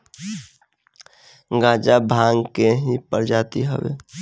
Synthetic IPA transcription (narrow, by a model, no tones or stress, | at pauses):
ɡãːd͡ʒabʱãŋkeɦipəɾd͡ʒaːt̪iɦə̰bḛː